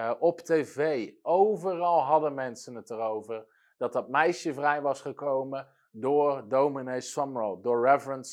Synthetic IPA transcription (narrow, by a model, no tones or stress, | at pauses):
ʔɔptejvejowvərɑlˠɦɑdənmɛnsənətərowvəɹ | d̥ɑt̚dɑt̚mɛjʃəvrɛjʋɑsχəkowmə | dʊːɹdowminesɔmɹolˠdʊːɹɹɛvrəns